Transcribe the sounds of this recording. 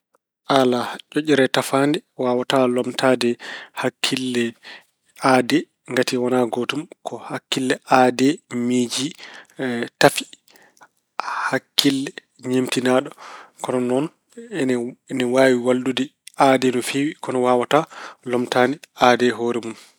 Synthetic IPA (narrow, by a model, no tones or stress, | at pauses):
ʔalat͡ʃoʔiɾɛtafaːndɛwaːwatalɔmtʰadɛhakʰːilːɛ | aːdɛ | ŋɡatiwɔnaɡotumkʰɔhakːilːɛʔadɛmid͡ʒi | tafi̥ | hakːilːɛ | ɲemtinaɗɔkɔnɔnɔn | nɛwawiwaldudɛʔadɛnɔfiwikɔnɔwaːwatalɔmtanɛadɛɦoɾɛmum